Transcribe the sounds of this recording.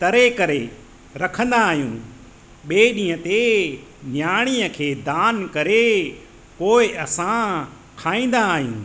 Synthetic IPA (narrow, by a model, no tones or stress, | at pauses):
t̪ɐɾekɐɾe | ɾɐkʰə̃nd̪aːɦijũː | ɓeːɗĩːə̃t̪eɲaːɽ̃iːəkʰeːd̪aːnkɐɾe | koːɪɐsã | kʰaːĩːn̆d̪aːɦijṵ̃ː